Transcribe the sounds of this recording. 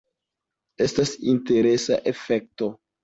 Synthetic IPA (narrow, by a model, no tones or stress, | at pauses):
e̞stasinte̞ɾe̞sa̰ʔe̞fe̞k̚to̞